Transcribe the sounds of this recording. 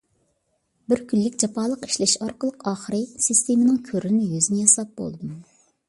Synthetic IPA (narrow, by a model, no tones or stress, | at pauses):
bɪɾkʲylːɪkʲd͡ʒɑpʰɑːlˠəqi̥ʃlɛʃɑɾqəlˠəqʰɑːχəɾɨsɨst̪ʰemɪnɪŋkʲʰøɾɪnɪjyzɪnɪjɑsɑp̚bo̰lˠɨd̪um